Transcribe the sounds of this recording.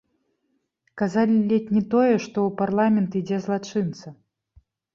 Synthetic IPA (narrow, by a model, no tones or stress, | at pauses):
kazalʲilʲɛtʲnʲɛt̪ɔjɛʂt̪ɔwparlˠamʲɛnt̪id͡zʲɛzlˠat͡ʂɨnt̪sɐ